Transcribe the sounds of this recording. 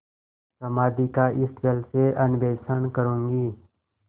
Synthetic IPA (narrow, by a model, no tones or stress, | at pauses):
səmaːd̪ikaʔɪsbelseʔənʋeːsənkəɾũːŋɡiː